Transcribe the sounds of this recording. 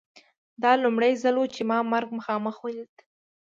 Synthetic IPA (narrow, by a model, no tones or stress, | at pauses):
d̪ɑlʊmɽajzalwot͡ʃemɑmaɾɡməxɑməxwajd̪